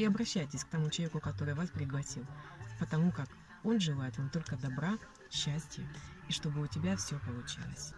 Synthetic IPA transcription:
ɪɐbɾɐɕːæjtʲɪsʲkt̪ɐmut͡ɕɪlˠɐvʲekʊkɐt̪o̞ɾɨjvaspɾʲɪɡlˠɐsʲilˠpət̪ɐmukak | o̞nʐɨlˠajɪt̪vamt̪o̞lʲkəd̪ɐbɾa | ɕːæsʲtʲɪjəiʂt̪o̞bɨʊtʲɪbʲafsʲopəlˠʊt͡ɕḭlˠə̰sʲ

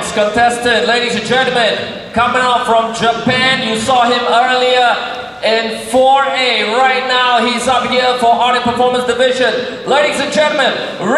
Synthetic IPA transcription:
skə̃ntʰɛstɪdleɪɾizɨ̃nd͡ʒɛ̃ntˡl̩ˠmɨ̃n | kʰʌmɪ̃ŋɔfɹʌ̃md͡ʒəpæ̃njɨsɔɪ̃mɜ˞lˠiə˞ | ɪ̃nfɔneɹaɪtⁿnaʊhizʌp̚hiɹfə˞ʔɑɹɾɨpə˞fɔɹmə̃nsd̥ɨvɪʒə̃n | leɪɾizɨ̃nd͡ʒɛ̃nt̩ˡˠmɨ̃n | ɹ

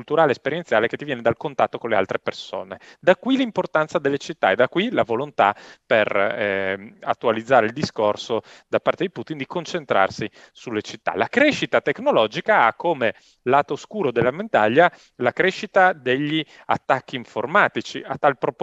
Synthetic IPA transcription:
kult̪uɾaːleːspeɾjent̪sjaːlek̟e̥t̪ːivjɛːned̪alkont̪at̪ːokonlea̰lt̪ɾeperso̰ːned̪akːwilimport̪ant̪sad̪elːet͡ʃit̪ːa̰ed̪akːwilavolont̪a̰per | a̰t̪ːualid̪zːaːɾeild̪iskorsod̪apaɾrt̪ed̪iput̪ind̪ikont͡ʃent̪ɾa̰rsi | sulːet͡ʃit̪ːa̰lakɾeʃit̪at̪ekːnolɔd͡ʒikaakʰːome | laːt̪oskuːɾod̪elːament̪aʎːa | lakɾeʃit̪ad̪eʎːi | a̰t̪ːakːiːɱformaːt̪it͡ʃḭat̪ːalpɾo

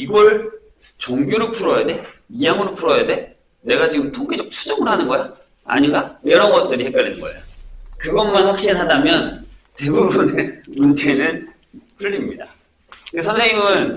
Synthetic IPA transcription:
iɡʌɭ | t͡ɕoŋɡjoɾopʰuɾʌjade̞ijaŋɯɾopʰuɾʌjade̞ | ne̞ɡat͡ɕiɡɯmtʰoŋɡed͡ʑʌk̚t͡ɕʰu̥d͡ʑʌŋɯɭɦanɯnɡʌja | a̰ɲinɡajjʌɾʌnɡʌt̚t͈ɯɾihe̞k͈jʌʎːinɯnɡʌejokɯɡʌmːanɸwak̚ɕ͈inɦadamjʌnte̞bubunemunt͡ɕʰe̞nɯn | pʰuʎːimɲida | ɯesʰʌnsʰeŋɲimɯn

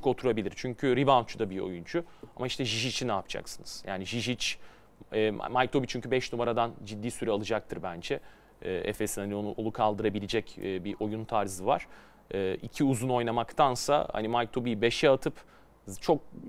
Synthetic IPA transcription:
ko̞t̪ʰuɾabilʲiɾt͡ʃʰyɲcʰyɾibant͡ʃʰud̪abio̞̰junt͡ʃʰuamaiʃt̪ʰɛʒiʒit͡ʃʰinapt͡ʃʰa̰ksɯnɯz̥jaːniʒiʒit͡ʃ | ɛːma̰majk̚t̪obit͡ʃʰyɲcʰybɛʃnumaɾad̪and͡ʒid̪ːiːsyɾɛalˠɯd͡ʒak̚t̪ʰɯɾbænd͡ʒɛː | ɛ̰fesinhanio̞nuʔolˠukʰalˠd̪ɯɾabilʲid͡ʒɛcːbiʔo̞junt̪ʰaɾzɯva̰ɾ̥ | ɛːicʰiuzuno̞jnamakt̪ʰansa̰ha̰nimajk̚t̪ʰo̞bijbe̞ʃɛat̪ʰɯp | t͡ʃʰo̞k̚

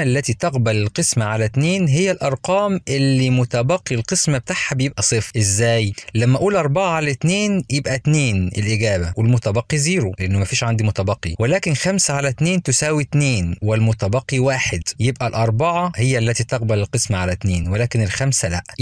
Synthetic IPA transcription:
lːæt̪it̪ɑqbælɪlqɨsmaʕalæt̪neːnɦɪjːælʔɑɾˤqɑːmʔɪlːimʊt̪æbɑqːilqɨsmab̚et̪aħhabejebʔæsˤɨfʔɪzːæːjlæmːæʔuːlʔɑɾˤbɑʕaʕalæt̪neːnjebʔæt̪neːnʔɪ̰lʔɪɡæːbæwɪlmʊt̪æbɑqːiziːɾoleʔɪnːʊmæfiːʃʕand̪imʊt̪æbɑqːḭwɪlæːkɪnxæmsaʕalæt̪neːnt̪ʊsæːwit̪neːnwɪlmʊt̪æbɑqːiwaːħɪd̪jebʔælʔɑɾˤbɑʕahɪjːælːæt̪it̪ɑqbælɪlqɨsmaʕalæt̪neːnwelæːkɪnɪlxæmsælæʔ

